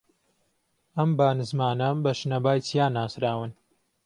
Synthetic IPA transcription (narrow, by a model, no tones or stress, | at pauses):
ɐmbaːnɨzmaːnɐbɐʃnɐbaːjt͡sijaːnaːsɾaːwɨn